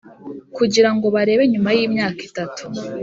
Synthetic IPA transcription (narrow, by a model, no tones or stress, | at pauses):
kuɟiɾaŋɡo̞βaɾe̞ːβe̞ɲumajiːmɲaːki̥tatʰu̥